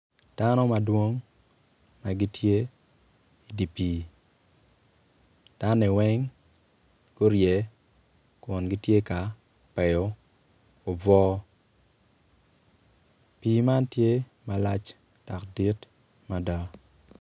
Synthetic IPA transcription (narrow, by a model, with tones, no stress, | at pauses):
d̥a˦nɔ˦ma˨dwo˦ŋ | ma˨ɡi˦tje˦ | i˨di˨pi˨˦ | d̥a˦ne˨wɛ˦ŋ | ɡo˦ɾjɛ˨ | kwɔ˨nɡi˦tje˦ka˨ | pɛ˨jɔ˦ | o˨bɔː˦ | piː˦ma˦ntje˦ma˨la˦t͡ʃd̥a˨kdi˦tma˨da˦